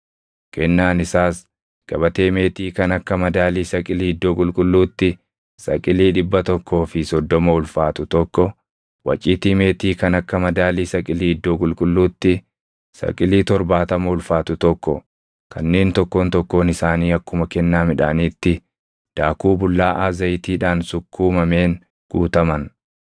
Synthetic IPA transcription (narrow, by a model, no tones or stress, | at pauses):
kɛnːaːnɪsaːs | ɡ̥ɐbɐt̪e̞ːme̞ːt̪iːkɐnɐkːɐmɐd̪aːliːsɐkʼɪliːɪd̪ːoːkʼʊlkʼʊlːuːt̪ːɪ | sɐ̰kʼɪliːᶑɪbːɐt̪ɔkːo̞ːfɪsɔd̪ːɔmɐʊlfaːt̪ʊt̪ɔkːɔ | wɐ̰t͡ʃʼiːt̪iːme̞ːt̪iːkɐnɐkːɐmɐd̪aːliːsɐkʼɪliːɪd̪ːoːkʼʊlkʼʊlːuːt̪ːɪ | sɐ̰kʼɪliːt̪ɔɾbaːt̪ɐmɐʊlfaːt̪ʊt̪ɔkːɔ̰ | kʰɐnːeːnt̪ɔkːo̞ːnt̪ɔkːo̞ːnɪsaːniːɐkːʊmɐkɛnːaːmɪᶑa̰ːniːt̪ːɪ | d̪̥aːkuːbʊlːaːʔaːzɐjt̪iːᶑaːnsʊkʰːuːmɐme̞ːn | ɡ̥uːt̪ɐmɐn